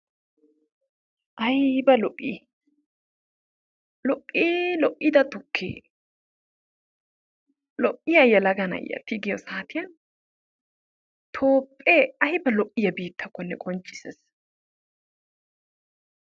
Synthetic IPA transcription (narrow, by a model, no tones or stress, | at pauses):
ʔɐjbɐlɔʔʔːḭ | lɔʔiːlɔʔːɪd̪ɐt̪ʊkʰːḛː | lɔʔːɪjɐjːɐlɐɡɐnɐ̰jːɐ̰t̪ːɪɡɪjɔsaːt̪ɪjɐn | t̪ʰoːpʼːeːɐjbɐlɔʔːɪjɐbiːt̪ʰːɐkːɔnːɛkʼɔnt͡ʃːɪ̥sɛs